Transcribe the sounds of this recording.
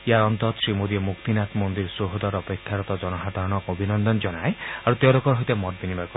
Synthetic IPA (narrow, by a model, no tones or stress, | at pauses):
jaɾɔnt̪ɔt̪ɔ̥sɾimod̪iemukt̪inat̪mond̪iɾsoɦod̪ɔɾɔpekʰːjaɾɔt̪ɔd͡ʒɔnɔɦad̪ʱaɾɔɽ̃ɔkobʱinɔnd̪ɔnd͡ʒɔnaeaɾut̪ewlokɔɾɔɦit̪emɔt̪̚binibakɔ